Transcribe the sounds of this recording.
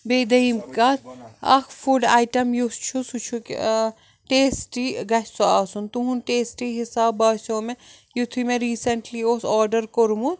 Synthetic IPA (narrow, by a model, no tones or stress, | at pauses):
beːd̪ɐimkat̪ɐ̰kʰfuɖaːjʈɐmjust͡ʃʰusut͡ʃʰuk | ʈeːsʈiɡɐt͡ʃsoaːsunt̪uɦunʈeːsʈiɦisaːbɐːsoːmẽ | jut̪ʰimẽɾiːsɐɳʈlioːsɔːɾɖɐɾkoɾmu